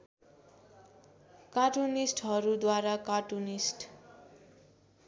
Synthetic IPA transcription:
kaʈunisʈɦʌɾud̪waɾakaʈunisʈ

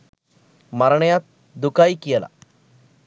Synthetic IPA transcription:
maɾɳəjat̪̚ | d̪ukajkijəla̰

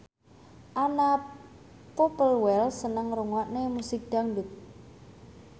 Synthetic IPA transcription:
ʔana | popəlwɛlsənəŋɾuŋɔʔnemusik̚d̪̥a̤ŋduk̚

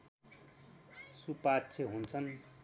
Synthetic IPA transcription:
supatːt͡sʰeɦunt͡sʰʌn

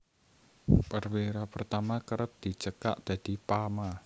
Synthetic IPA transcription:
pərwiɾapərt̪amakəɾət̚d̪̥i̤t͡ʃəka̰ʔd̪̥ä̤d̪̥i̤pama

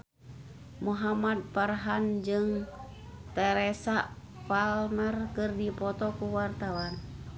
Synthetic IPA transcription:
muɦamad̪̚parɦand͡ʒɨŋ | t̪ɛɾɛsa | falmərkɨrdipɔt̪ɔkuwart̪awan

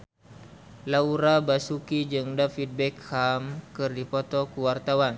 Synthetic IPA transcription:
lauɾabasukid͡ʒɨŋdafid̚bɛkhamkɨrdipɔt̪ɔkuwart̪awan

